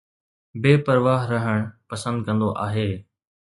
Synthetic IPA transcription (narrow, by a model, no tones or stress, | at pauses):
beːpəɾʋaːɦɾɐɦəɽ̃pɐsə̃nd̪̚kɐ̃nd̪oʔaːɦeː